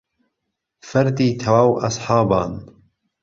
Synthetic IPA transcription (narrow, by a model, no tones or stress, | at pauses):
fɐɾd̪iːt̪ʰɐwaːwʔɐ̰sħɑːbɑːn